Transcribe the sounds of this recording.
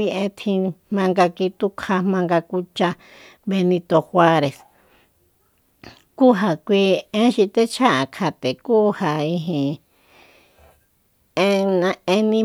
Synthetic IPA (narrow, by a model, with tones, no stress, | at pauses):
i˧ʔẽ˧˦t̪ʰĩ˧mã˧ŋɡa˧ki˧t̪u˦kʰa˧mã˧ŋɡa˧ku˧t͡ʃa˧ | βe˧nĩ˧t̪o˧xwa˧ɾe˨s | ku˦ɦa˨kʷi˧ẽ˦ʃi˧t̪e˦t͡ʃʰa˦ʔa˨kʰa˧t̪e˨kuː˦ha˨i˧ɦĩ˨ | ẽ˦nã˧e˧nĩ˧˦